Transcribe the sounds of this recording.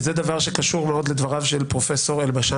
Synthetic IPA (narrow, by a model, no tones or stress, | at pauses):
zed̪avaʁʃekaʃuʁmeo̞d̪led̪vaʁavʃelpʁo̞feso̞ʁelbaʃa